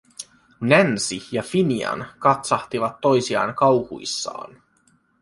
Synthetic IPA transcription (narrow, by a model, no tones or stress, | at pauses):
nænsijɑfiniɑ̰nkɑt̪sɑht̪iʋɑt̪ːo̞jsiɑ̰ːŋkɑwhṵisːɑ̰ːn